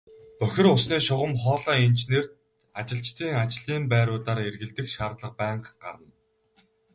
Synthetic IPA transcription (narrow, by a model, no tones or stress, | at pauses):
pœxʲɪ̆rʊsniːʃʊʁə̆mχɔːɮɔːint͡ɕner̥t̪ | at͡ɕɪ̆ɬt͡ɕt̪ʰiːŋat͡ɕɪ̆ɮiːmpæːɾʊːt̪aːɾerɣɘ̆ɮt̪ɘ̆kʃaːrt̪ɮə̆q̚pæːɴqɢa̰ɾə̆n